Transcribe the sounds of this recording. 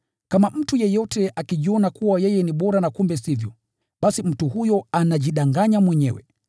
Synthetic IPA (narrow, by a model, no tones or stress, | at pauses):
kamam̩tujɛjɔtɛʔakiʄiɔnakuwajɛjɛniɓɔɾanakumbɛsivjɔ | ɓasim̩tuhujɔanaʄiɗaŋɡaɲamwɛɲɛwɛ̰